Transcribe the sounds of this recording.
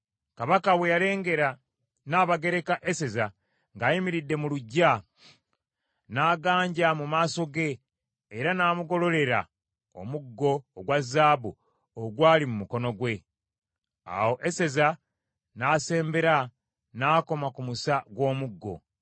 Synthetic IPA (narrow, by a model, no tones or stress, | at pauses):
kaβakawe̞jale̞ːŋɡe̞ɾa | naːβaɡe̞ɾe̞kaʔese̞za | ŋɡajimiɾidːe̞muluɟːa | naːɡaːɲɟamumaːso̞ɡe̞ː | ɾanaːmuɡo̞lo̞le̞ɾa̰ | o̞̰muɡːo̞ːɡwazːaːbu | oɡwaːlimumuko̞no̞ɡwe̞ | a̰wo̞ʔese̞za | naːse̞ːmbe̞ɾa | naːko̞makumusaɡwo̞ːmuɡːo̞̰